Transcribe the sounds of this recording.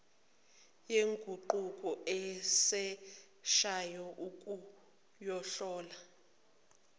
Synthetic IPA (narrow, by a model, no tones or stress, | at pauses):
jeŋɡʱuǃukʼɔʔɛsɛ | ʃajɔʔukʼu | jɔɬɔːla